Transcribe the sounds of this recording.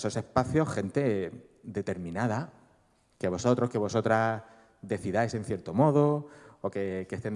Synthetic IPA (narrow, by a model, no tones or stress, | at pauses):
so̞se̞hpaθjo̞he̞nt̪e̞ | ðe̞t̪e̞ɾmĩnað̞a | ke̞βo̞so̞t̪ɾo̞ske̞βo̞so̞t̪ɾa | ðe̞θiðajse̞n̟θje̞ɾt̪omo̞ð̞ookekest̪en